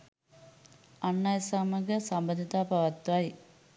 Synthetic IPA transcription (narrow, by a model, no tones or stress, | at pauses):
anːajəsaːməɡəsambənd̪it̪aːpaʋɐt̪ːʋaj